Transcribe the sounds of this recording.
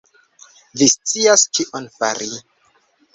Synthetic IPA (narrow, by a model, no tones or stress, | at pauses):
vist͡siast͡ʃiʔonfa̰ɾʔi